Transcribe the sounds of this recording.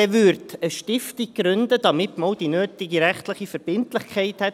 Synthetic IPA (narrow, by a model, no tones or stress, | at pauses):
ɛʋʏɾtəʃtɪftɪkɾʉnd̪əd̥̪ɑmɪtməowd̥inøːt̪ɪɡiɾæχtlɪχifəɾb̥ɪntlɪχkʰχɛɪthɛt